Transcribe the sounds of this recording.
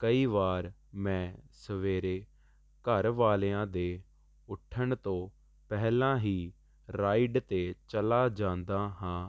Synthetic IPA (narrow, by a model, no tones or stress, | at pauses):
kəiːʋaːɾ | mɛ̃ːsəʋeːɾeː | kəɾʋaːleːãːd̪eː | ʊʈʰːəɳt̪õː | pɛɦlãːɦiː | ɾaːiɖt̪eːt͡ʃəlaːd͡ʒãːnd̪aːɦãː